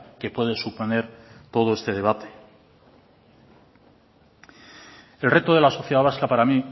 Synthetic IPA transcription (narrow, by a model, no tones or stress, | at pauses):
ke̞pwe̞ð̞esupo̞ne̞ɾt̪o̞ð̞o̞e̞st̪e̞ðe̞βat̪e̥ | e̞lre̞t̪oðe̞laso̞θjeaβaskapaɾami